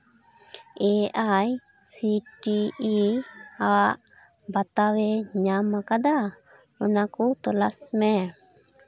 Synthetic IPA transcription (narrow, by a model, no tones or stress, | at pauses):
ɛʔaj | siʈiː | aʔ | bat̪awɛɲamakad̪a | ɔnakɔt̪ɔlasmɛ